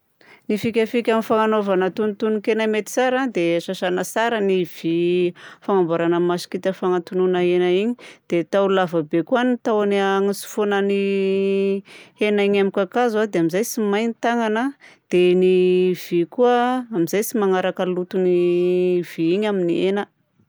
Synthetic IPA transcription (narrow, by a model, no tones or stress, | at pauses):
nifikʲafikʲamifaŋanovanət̪unt̪unkenamet̪i̥saɾad̪eʃaʃanəsaɾəniv̥ifaŋambaɾanəmasi̥kit̪əfaŋat̪ununəenaiɲid̪̥et̪aulavabekuanit̪awaniaŋisu̥fonəni | henaiɲamikakazwad̪eamizajsimajnit̪aŋanad̪̥eniv̥ikuəamizajsimaŋaɾakəlut̪univ̥iiɲaminienə